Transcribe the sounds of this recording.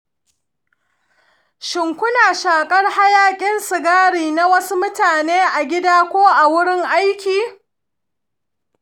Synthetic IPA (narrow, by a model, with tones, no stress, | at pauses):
ʃɪ˨ŋkʷʊ˦naː˨ʃaː˨kʼɐ˦rha˦jaː˦kʲʼɪ˦nsɪ˨ɡaː˦ɽiː˨na˦wɐ˦su˦mʊ˦taː˨neː˦ʔa˨ɡʲɪ˦daː˦kʷoː˦ʔa˨wʊ˦ɽɪ˦ŋʔa˦jkʲiː˨